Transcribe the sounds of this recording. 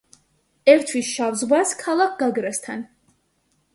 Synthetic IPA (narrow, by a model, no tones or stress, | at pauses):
ɛɾt̪ʰwisʃavzʁwaskʰalˠak̚ʰɡ̥aɡɾast̪ʰan